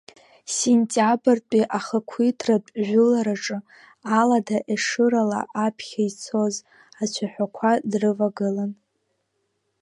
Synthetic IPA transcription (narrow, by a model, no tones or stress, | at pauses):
senʲtʼabɨrtʷʼiʔaχəkʷʰitʰrapʼʒʷᶣʊlaɾaʈ͡ʂʼɨ | aladaʔeʂɨɾala̰ʔapʰχʲajt͡sʰo̞z | at͡ɕʷʰaħʷᶣakʷʰadrɨvaɡɨlan